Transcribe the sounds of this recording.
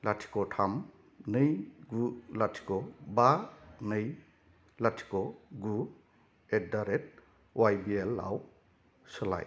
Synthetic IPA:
latʰi̥kɔtʰam | nɯjɡulatʰi̥kɔbanɯj | latʰi̥kɔɡu | et̚daɾet̚ | wajbielːa̰w | sɯla̰j

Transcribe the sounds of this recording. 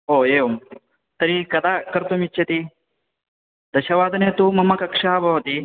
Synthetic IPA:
oːeːʋom | t̪ɐɾikɐd̪aːkɐɾt̪omiːt͡ʃʰɐt̪i | d̪ɐʃɐʋaːd̪ɐneːt̪uːmɐmɐkɐkʂaːbʱɐʋɐt̪i

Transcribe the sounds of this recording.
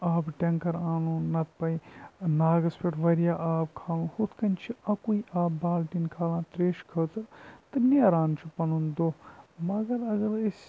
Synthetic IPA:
aːbʈʲeŋkɐɾaːnũːnɐt̪̚pɐjnaːɡɐspʰeʈʰʋɐɾjaːʔaːbkʰaːlũhut̪ʰkɐnt͡ʃʰiɐ̃kuiaːbbaːlʈinkʰaːlãːt̪ɾeːʃkʰəːt̪ɨɾt̪ɨneɾãːnt͡ʃʰipɐnund̪oːmɐɡɐɾɐɡɐɾes

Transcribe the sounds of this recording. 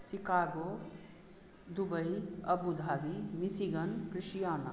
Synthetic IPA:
sikaɡo | d̪ubəjəbud̪ʱaːbimisiɡənkɾiʃjaːna̰

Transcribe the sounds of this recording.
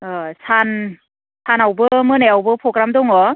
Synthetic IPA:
ɯsan | sʰanawbɯmɯneawbɯpʰɾɔɡɾamdɔŋɔ

